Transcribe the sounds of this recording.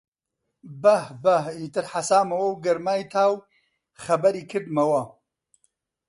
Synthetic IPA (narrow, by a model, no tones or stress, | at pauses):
bɐhbɐhiːt̪ɨɾħasaːmɐwɐwɡɐɾmaːjt̪ʰaːw | xɐbɐɾiːkʰɨɾd̪mɐwɐ